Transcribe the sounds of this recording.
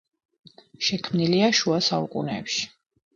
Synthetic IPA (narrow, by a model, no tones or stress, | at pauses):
ʃɛkʰmniliaʃuasaṵkʼṵnɛːpʃi̥